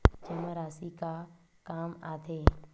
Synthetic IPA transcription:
t͡ʃəməɾaːsiːkaː | kaːmaːt̪ʰeː

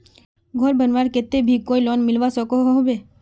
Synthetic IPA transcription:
ɡʱɔɾbənʋaːɾket̪ebʱikoːilɔːnmɪlʋasəkoɦoɦobe

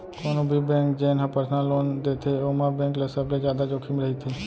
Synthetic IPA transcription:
koːnobʱibɛ̃ːkd͡ʒeːnɦãpəɾsnalːoːnd̪eːt̪eoːmãbɛ̃ːŋklesəbled͡ʒjaːd̪ad͡ʒoːkʰimɾəɦit̪ʰeː

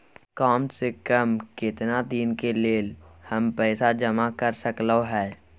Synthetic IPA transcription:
kaːmsekəmkɪt̪nad̪iːnkeleːlhəmpɛːsad͡ʒəmakəɾsəkloɦɛː

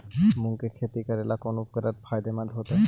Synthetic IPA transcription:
muŋkekʰet̪ikəɾelakonupkəɾaɾbʰʱajd̪emad̪ʱɦot̪a

